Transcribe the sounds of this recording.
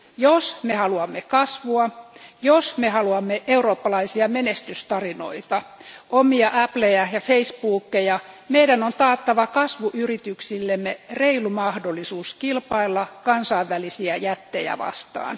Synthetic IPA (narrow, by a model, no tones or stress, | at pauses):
josmehɑluɑmːekɑsʋuɑjosmehɑluɑmːeʔeuro̞ːpːɑlɑisiɑmenest̪yst̪ɑrino̞̰it̪ɑomiɑʔæplejæjɑfeispuːkːejɑmeidænont̪ɑːt̪ːɑʋɑkɑsʋuʔyrit̪yksilːemːereilumɑhdolːˑisuːskilpɑilːɑkɑnsɑiʋːælisiæjæt̪ːejæ̰ʋɑ̰st̪ɑ̰ːn